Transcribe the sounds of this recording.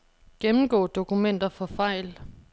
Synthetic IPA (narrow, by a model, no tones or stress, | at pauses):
ɡ̥emm̩ɡ̥ɔ̰ːd̥o̝kʰumen̰d̥ɐfɒ̽fɑ̈ɪ̰l